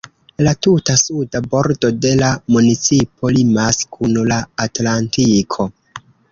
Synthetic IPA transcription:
latutasudabo̞ɾdo̞de̞lamunit͡sipʰo̞limaskʰunlaːtlantikʰo̞

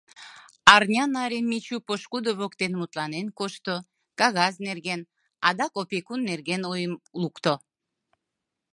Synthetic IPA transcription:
ɑrnʲɑnɑɾʲenmit͡ɕupoʃkud̪oβokt̪enmut̪lɑnenkoʃt̪o | kɑɣɑznerɣen | ɑd̪ɑkopekunːerɣenojəmlukt̪o

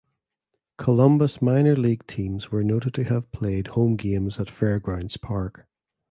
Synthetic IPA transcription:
kʰəlˠʌ̃mbəsmãɪ̃nə˞lˠiɡ̥̚tʰĩmz̥wə˞noʔɪd̚tʰəəv̥pʰl̥eːd̥̚hõmɡẽmzətfɛɹɡɹãʊ̃ndz̥pʰaɹk

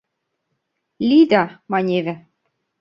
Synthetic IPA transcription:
lʲid̪ɑmɑnʲeβɘ̆

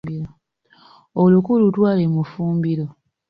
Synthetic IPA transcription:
ilo | olukulutwaːlemufuːmbilo

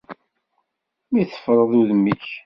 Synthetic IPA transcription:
miθə̥fɾˤəðˤuðmiç

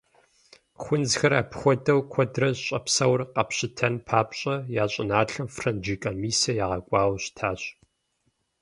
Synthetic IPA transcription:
xʷʊnd͡zxɐɾa̰ːpʰxʷɔdɐwkʷʰɔdrɐɕʼɐpsɐwrqɐpɕɪtʰɐnpʰaːpʼɕʼɐjaːɕʼɪnaːɬɐmfrɐnd͡ʒikʼɐmiːsɐjaːʁɐkʷʼaːwɕtʰaːɕʼ

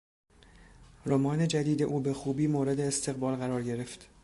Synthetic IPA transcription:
ɾomɒːne̞d͡ʒæd̪iːd̪e̞ʔuːbexuːbiːmoːɾe̞d̪eːst̪ʰe̞ɣbɒːlɣæɾɒːɾɟe̞ɾe̞ft̪

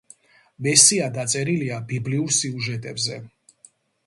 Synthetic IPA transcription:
vɛsiad̪at̪sʼɛɾiliabibliuɾsiuʒɛt̪ʼɛbzɛ

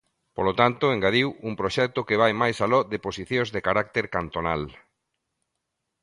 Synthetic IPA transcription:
polot̪ant̪oeŋɡaðiwuŋpɾoʃɛk̚t̪okɪβajmajsalɔðeposiθjõzðekaɾak̚t̪eɾkant̪ona̰l

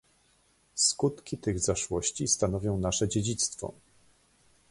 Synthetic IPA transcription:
skut̪kʲit̪ɘɣzaʂwɔɕt͡ɕist̪anɔvʲjɔ̃w̃naʂɛd͡ʑed͡ʑit̪st̪fɔ̰

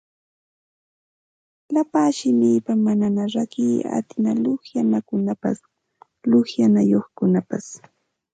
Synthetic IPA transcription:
lapaːʃɪmiːpamananaɾakiːa̰t̪ɪnalʊhjanakʊnapa̰s | lʊhjanajoχkʊnapas

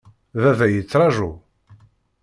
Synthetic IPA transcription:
ðævæjət͡sːɾˤɑʒu

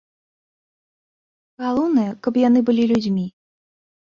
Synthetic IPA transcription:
ɣalˠɔwnɐjɐkɐpjan̪ɨbɨlʲilʲud͡zʲmʲi

